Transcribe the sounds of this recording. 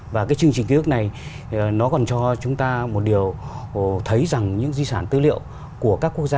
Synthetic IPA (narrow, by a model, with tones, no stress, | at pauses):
vaː˨˩kaː˨˦jt͡ɕɨ˧əŋt͡ɕï˨˩ŋ̟ki˨˦˥k̚na˨˩j | nɔ˨˦kɔ˨˩nt͡ɕɔ˧t͡ɕʊ˨˦ŋ͡mt̪aː˧mo˨˩t̚ɗi˨˩əwt̪ʰə˨˦jza˨˩ŋɲɨ̰˧˥ŋzi˧saː˧˩nt̪ɨ̰˧˥lḭ˧˨əw | ku˧˩əkaː˦˥kːu˦˥ək̚zaː˧